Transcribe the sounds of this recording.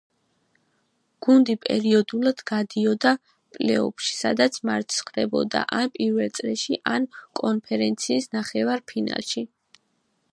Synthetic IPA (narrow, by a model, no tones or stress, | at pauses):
ɡ̥und̪ipʼɛ̰ɾiɔd̪ulˠad̪̥ɡad̪iɔd̪a | pʼlɛ̰ɔ̰pʃi̥sad̪at̪sʰmaɾt̪ʼsχɾɛbɔ̰d̪a̰ʔanpʼiɾvɛlt̪sʼɾɛʃiʔankʼɔnpʰɛɾɛnt̪sʰiːsnaχɛvaɾpʰina̰lˠʃi